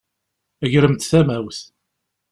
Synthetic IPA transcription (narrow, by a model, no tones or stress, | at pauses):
æʝɾəmt̪θæmæwθ